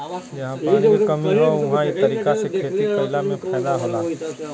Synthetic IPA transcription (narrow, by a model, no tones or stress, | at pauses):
jɐɦãpəokɐmiɦoʊɦãet̪ɐɾiːkasekʰeːt̪ipɐɪlamẽpʰɛːlaɦoːlaː